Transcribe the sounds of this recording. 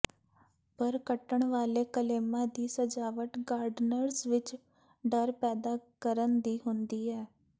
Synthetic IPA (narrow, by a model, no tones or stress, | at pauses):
pəɾkəʈəɳʋaːleːkəleːmãːd̪iːsəd͡ʒaːʋəʈɡaːɾɖnəɾsʋɪt͡ʃ | ɖəɾpɛːd̪aːkəɾənd̪iːɦʊnd̪iːɛː